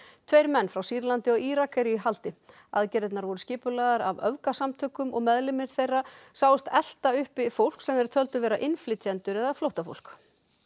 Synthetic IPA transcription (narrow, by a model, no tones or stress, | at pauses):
t̪ʰvejɾmɛnːfɾawsiːɾlant̪ɪɔɣiːɾakʰɛjɾʏiɦalt̪ɪ | a̰ðcɛɾɪt̪naɾvɔɾʏscɪːpʏlaðaɾavœvkasamt̪ʰʏːkʏmɔ̰ɣmɛðlɪmɪɾ̥θejrːasaːwʏst̪ɛl̥t̪aʏhpɪfowl̥ksɛmɛɾ̥t̪ʰœlt̪ʏvɛːɾaʔɪnflɪt̪ʰjɛnt̪ʏɾɛðaflowht̪afo̰wlk